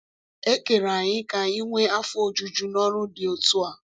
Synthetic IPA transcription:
e˦ke˨ɾa˨ɲɪ˦ka˨i˦ŋʷe˦a˦fʊ˦o˨d͡ʒu˨d͡ʒu˨nɔ˦ɾʊ˦dɪ˨o˨tu˦a˨

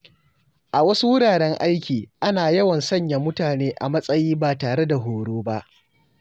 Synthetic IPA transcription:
ʔa˨wɐ˦su˦wʊ˦ɽaː˨ɽɛ˦ŋʔa˦jkʲiː˨ʔa˦naː˨jɐ˦wɐ˨nsɐ˦ɲja˨mʊ˦taː˨neː˦ʔa˨mɐ˦sʼɐ˦jiː˦ba˨taː˨ɽe˦da˨ɦoː˨ɽoː˦ba˦ʔ

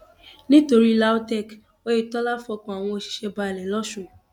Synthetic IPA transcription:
nĩ˦to˧ɾi˦la˦o˦tɛ˦˨k | o˦je˦˨tɔ˦la˦fɔ˧kɔ̃˨a˨w̃ɔ̃˧o˧˨ʃi̥˨ʃɛ˧ba˧ɛ˨lɛ˨lɔ˦ʃũ˦˨

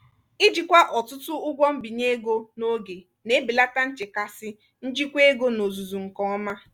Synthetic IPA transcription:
i˦d͡ʒi˨kʷa˦ʔɔ˨tʊ˦tʊ˦ʊ˦ɡʷɔ˦m̩˦bi˨ɲe˦ɡo˦no˦ɡe˨ | ne˦bi˨la˦ta˦n̩˦t͡ʃɪ˨ka˦sɪ˦ | n̩˦d͡ʒi˦kʷe˦ɡo˦no˨zu˨zu˨ŋ̩˨kɔ˨ɔ˦ma˦

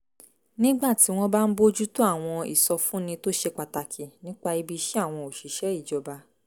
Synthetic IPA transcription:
nĩ˦ɡ͡ba˦˨ti˨˦w̃ɔ̃˧ba˦n̩˦bo˦d͡ʒu˦to˦a˦˨w̃ɔ̃˧ḭ˨sɔ˧fũ˨˦nĩ˧to˦ʃe˧k͡pa˧ta˨˧kʰi˨nĩ˨˦k͡pa˧i˧bi˧ʃe˦a˦˨w̃ɔ̃˧o˨ʃi˨ʃɛ˨˦i˦˨d͡ʒɔ˧ba˧

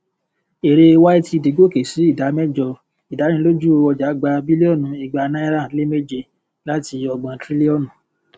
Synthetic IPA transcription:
e˨ɾe˧wa˦i˦ti˧˨de˨˦ɡo˦˨ke˨si˨˦i˦˨da˨˦mɛ˦d͡ʒɔ˧ | i˨da˨˦ñĩ˧lo˦d͡ʒu˦o˧ɔ˧d͡ʒa˨˦ɡ͡ba˧bi˦li˦ɔ˦˨nũ˨˦i˧ɡ͡ba˧nã˦ɾã˦˨˦le˦me˦˨d͡ʒe˧ | la˦ti˧ɔ˧ɡ͡bã˧tɾi˦li˦ɔ˦˨nũ˨˦

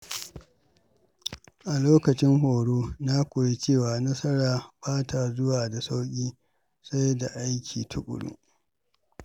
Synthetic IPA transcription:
ʔa˨loː˦kɐ˨t͡ʃɪ˦ŋɦoː˨ɽoː˦na˦kʷoː˨je˦t͡ʃeː˦˨waː˨nɐ˦sɐ˦ɾaː˨baː˦tʰa˨zʊ˦waː˨da˨sa˦wkʲʼiː˦ | sa˦jda˨ʔa˦jkʲʰḭː˨tʰʊ˦kʷʼʊ̰˨ɽʊ̰˦

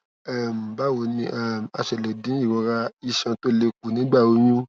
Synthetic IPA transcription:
a˦˨m̩˨ba˦wo˧nĩ˧ʔa˦˨m˨a˧ʃɛ˨lɛ˨dĩ˨˦i˦˨wɔ˧ɾa˧i˧ʃã˧to˦le˧k̚u˨nĩ˨˦ɡ͡ba˦˨wo˨˧jũ˦

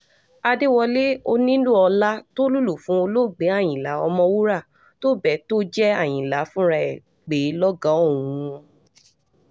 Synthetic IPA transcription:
a˧de˦wɔ˧le˦o˧nĩ˦lũ˦˨ɔ˧la˦to˦lu˦lu˨fũ˨˦o˧lo˦˨ɡ͡be˨˦a˦˨j̃ĩ˨la˨˦ɔ̰˧mɔ̃˧wu˦ɾa˦˨ | to˦˨bɛ˨to˦d͡ʒɛ˦a˦˨j̃ĩ˨la˨˦fũ˦ɾa˧ɛ˨ | ɡ͡be˨˦lɔ˦ɡã˨˦o˦˨wũ˨˧ɔ̃˧

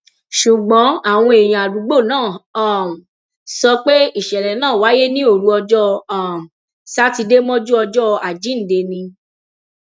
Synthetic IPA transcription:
ʃu˨ɡ͡bɔ̃˨˦a˦˨w̃ɔ̃˧e˨j̃ĩ˨a˨ɾu˨˦ɡ͡bo˦˨nãː˦˨a˦˨m˨ | sɔ˧k͡pe˦i˦˨ʃɛ˨ɾɛ˨nãː˦˨wa˨˦je˦nĩ˦o˦˨ɾu˨˦ɔ˧d͡ʒɔ˦˧a˨m˨ | sa˦ti˧de˦mɔ̃˦d͡ʒu˦ɔ˧d͡ʒɔ˦˧a˨d͡ʒi˨˦n̩˨de˧nĩ˧

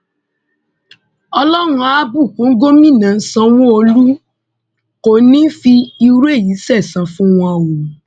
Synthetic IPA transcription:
ɔ˧lɔ˦ɾũ˧a˨˦bu˦˨kũ˨˦ŋ̩˦ɡo˦mĩ˦˨nã˨˦sã˧w̃ɔ̃˦o˧lu˦ | ko˨˦˨nĩ˦fi˧i˧˦ɾu˦e˦˨ji˨˦sɛ˦˨sã˨˧fũ˦w̃ɔ̃˧a˧˨wo˨

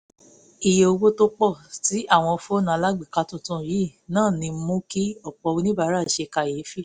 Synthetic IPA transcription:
i˨je˨o˧wo˦to˦k͡pɔ˦˨ti˨˦ʔa˦˨w̃ɔ̃˧fo˦nã˨˧la˦ɡ͡bi˦˨ka˧tũ˦˨tũ˦˧˨ji˨˦˨nãː˦˨nĩ˧m̩˦mũ˦ki˦ɔ˦˨k͡pɔ˨˧wu˧˦nĩ˦ba˦ɾa˦˨ʃe˧ka˧˨je˨˦fi˦˨

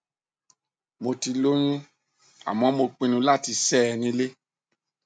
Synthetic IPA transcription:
mo˧ti˧lo˦ɲ̃ũ˦ | a̰˨mɔ̃˨˦mo˧k͡pĩ˧nũ˧˦la˦˨ti˧sɛ˦˧nĩ˧˦le˦

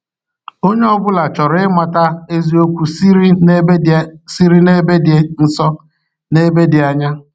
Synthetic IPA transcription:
o˦ɲe˦ɔ˦bʊ˦la˨t͡ʃɔ˨ɾɪ˦ɪ˦ma˨ta˦e˦zi˦o˦kʷu˨˦ | si˦ɾi˦ne˦be˦dɪ˨e˦n̩˦sɔ˦ | ne˦be˦dɪ˨a˨ɲa˦

